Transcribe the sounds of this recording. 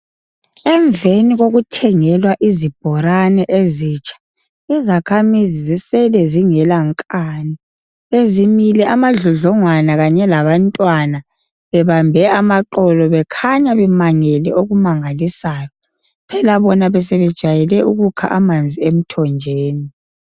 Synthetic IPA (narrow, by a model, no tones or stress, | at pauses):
ɛɱveniɣoɣutʰɛŋɛlwaʔizib̥ʱɔɾanɛʔeziːt͡ʃʰʼḁ | izakʰamizizisɛlɛziŋɛlaŋkʼaːni | ezimilɛʔamaɮɔɮɔŋwanaɣaɲɛlaβantʼwana | βɛβambʱɛamaǃɔlɔβɛkʰaɲaβɛmaŋɛlɛʔoɣumaŋalisajɔ | pʰɛlaβɔnaβɛsɛβɛd̥ʒ̥ʱajɛlɛʔuɣukʰa̰ʔamand͡zʱiem̩tʰɔnd͡ʒʱeːni